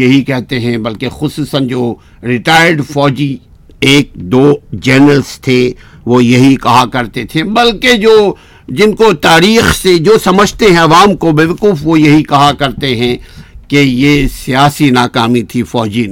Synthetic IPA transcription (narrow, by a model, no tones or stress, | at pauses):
jɐɦikɛɦt̪eɦɛ̃bɐlkexʊsuːsənd͡ʒoː | ɾɪʈaːɪəɾɖfɔːd͡ʒi | eːk̚d̪oːd͡ʒɛːnəlst̪ʰe | ʋojɐɦikɐɦakɐɾt̪et̪ʰẽbɐlked͡ʒoː | d͡ʒɪnkot̪aːɾiːxsed͡ʒoːsɐməd͡ʒʱt̪eɦɛ̃ɐʋaːmkobeʋkuːfʋojɐɦikɐɦakɐɾt̪eɦɛ̃kejeːsijaːsinaːkaːmit̪ʰifɔːd͡ʒi